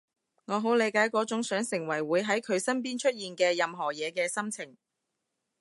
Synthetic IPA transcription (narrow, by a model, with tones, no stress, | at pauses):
ŋɔː˨˧ɦo˨˥wle˨˧jkaː˨˥jkɔː˨˥t͡ʃʊ˨˥ŋsœː˨˥ŋsɪ˨˩ŋwɐ˨˩jwuː˨˧jɦɐ˨˥jkʰɵ˨˧ɥsɐ˥np̬iː˥nt͡ʃʰɵ˥t̚jiː˨nkɛː˧jɐ˨mɦɔː˨˩jɛː˨˧kɛː˧sɐ˥mt͡sʰɪ˨˩ŋ